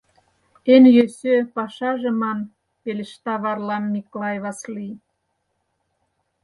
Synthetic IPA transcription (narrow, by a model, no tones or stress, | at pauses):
enjøsøpɑʃɑʒemɑn | pelʲeʃt̪ɑβɑrlɑmːiklɑjβɑsli